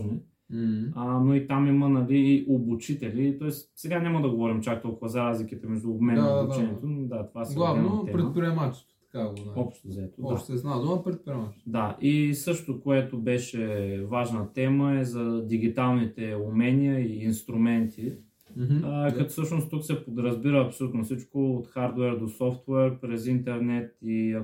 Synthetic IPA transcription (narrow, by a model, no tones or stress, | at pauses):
ʒnɛ | ənoit̪amimənɐliːʔobut͡ʃit̪ɛlit̪ɔɛssɛɡanʲaməd̪ɐɡovɔɾimt͡ʃak̚t̪ɔlˠkʊvɐzɐɾazlikit̪ɛmɛʒd̪uːbmɛnibud̪t͡ʃɛniɛt̪ond̪at̪ovasɡlˠavɛoɛpɾɛt̪̚pɾiɛmat͡ʃɛ̥st̪o̥t̪ɐ̥kaɡ̪aɔpʃt̪ozɐɛt̪odɔaʃt̪ɛznad̪oapɾɛt̪̚pɾiɛmat͡ʃt̪d̪aʔisɤʃt̪okoɛt̪obɛʃɛvaʒnət̪ɛməɛzɐd̪iɡ̟it̪alˠnit̪ɛumɛnijəiːnst̪ɾumɛnt̪ʰi | kɐt̪fsɤʃnost̪uksɛpod̪ɾəzbiɾəːpsolʲut̪nofsit͡ʃkoːt̪xaɾd̪wɛɾd̪osɔft̪wɛɾpɾɛzint̪ɛɾnɛt̪iɐ